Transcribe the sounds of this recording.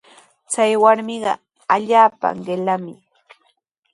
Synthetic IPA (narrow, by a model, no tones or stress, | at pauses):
t͡sajwaɾmɪɢɑ | aʎaːpa̰ɢelamɪ